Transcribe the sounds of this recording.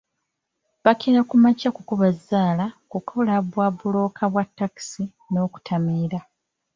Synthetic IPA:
βakeɾakumacakukuβazːaːlakukʰolaβwaβulo̞ːkʰaβwatːaki̥si | no̞ːku̥tʰamiːɾa

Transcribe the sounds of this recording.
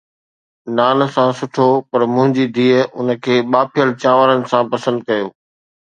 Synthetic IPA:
naːnsãsʊʈʰopɐɾmʊ̃ɦɪ̃ɲd͡ʑid̪ʱiːəʊ̰nə̆kʰeːɓaːpʰijəlt͡ɕãːʋəɾənɪ̆sãːpɐsə̃nd̪̚kɐjoː

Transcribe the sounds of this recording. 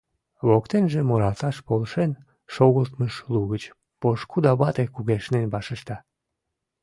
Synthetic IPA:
βokt̪enʒemoɾɑlt̪ɑʃpolʃen | ʃoɣəlt̪məʃluɣət͡ɕ | poʃkud̪ɑβɑt̪ekuɣeʃnenbɑʃəʃt̪ɑ

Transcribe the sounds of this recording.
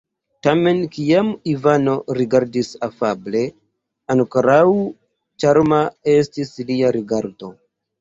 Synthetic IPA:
tame̞nkiamivano̞ɾiɡaɾdisafable̞ | ankɾaw | t͡ʃaɾmae̞stisliaɾiɡaɾdo̞

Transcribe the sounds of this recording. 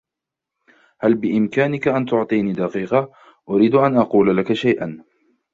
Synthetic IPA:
halbɪʔɪmkaːnɪkaʔant̪ʊʕt̪ˤiːniːd̪aqiːqɑ | ʔʊɾiːd̪ʔanʔɑquːlalakaʃajʔan

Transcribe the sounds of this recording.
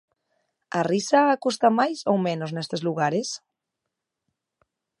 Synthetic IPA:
arisaːkust̪amajsowmenoznest̪ezluɣaɾes

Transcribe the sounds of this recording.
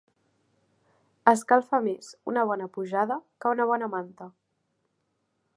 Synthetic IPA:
əskalˠfamezunəβ̞ɔnəpuʒaðəkəunəβ̞ɔnəmant̪ə

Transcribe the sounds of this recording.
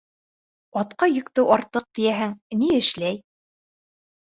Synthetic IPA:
ɑt̪qɑjɵ̆kt̪ɘwɑɾt̪ːɤq̚t̪ijæɦɘŋniɘ̆ʃlæj

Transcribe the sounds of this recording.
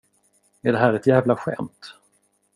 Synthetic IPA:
ɛɖɛɦæːɾɛt̪jæːvlaɧɛ̰mt̪

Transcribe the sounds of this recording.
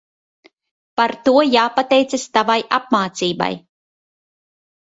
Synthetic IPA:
paɾt̪uɔjaːpat̪ɛjt̪sast̪avajap̚maːt̪siːba̰j

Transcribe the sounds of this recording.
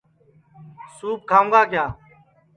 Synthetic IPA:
suːp̚kʰãːŋɡaːkjaː

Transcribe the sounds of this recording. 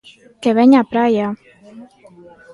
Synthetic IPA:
keβɛɲapɾaja

